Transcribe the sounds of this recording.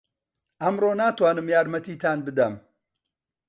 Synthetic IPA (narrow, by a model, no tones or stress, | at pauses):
ʔɐmɾoːnaːt̪waːnɨmjaːɾmɐt̪iːt̪ʰaːnbɨd̪ɐm